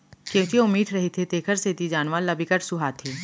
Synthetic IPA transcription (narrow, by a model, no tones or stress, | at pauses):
kjõːkiʊmiːʈʰɾɐɦit̪ʰet̪eːkʰəɾseːt̪id͡ʒaːnʋalɐbʱɪkəʈsʊɦat̪ʰiː